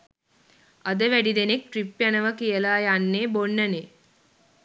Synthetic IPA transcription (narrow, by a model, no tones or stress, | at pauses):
əd̪əʋæɖid̪enek̚ʈɾipjanɐʋəkijəlaːjanːeːboɳːəne